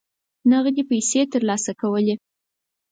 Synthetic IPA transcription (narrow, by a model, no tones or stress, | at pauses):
naɣd̪epajset̪əɾlɑsakawəle